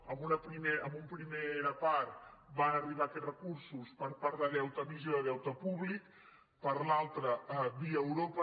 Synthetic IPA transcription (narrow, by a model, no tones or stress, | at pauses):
əmbunəpɾimeəmumpɾimeɾəpaɾt̪banəriβ̞aferəkuɾsuspəɾpaɾðəðɛwt̪əmiʒoəðɛwt̪əpuβlik | pəɾlalˠt̪ɾəβiəːwɾopə